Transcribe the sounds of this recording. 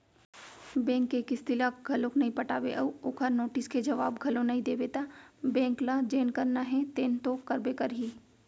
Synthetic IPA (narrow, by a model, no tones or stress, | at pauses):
bɛ̃ːŋkːekɪst̪ɪlakɡʱɐlõknɐɦĩpɐʈaːbḛʔɐuʊkʰanoːʈɪsked͡ʒɐʋaːbɡʱɐlõnɐɦĩd̪eːbeːt̪abɛ̃ːŋklad͡ʒeːnkɐɾnaɦɛ̃t̪eːnt̪okɐɾbekɐɾɦiː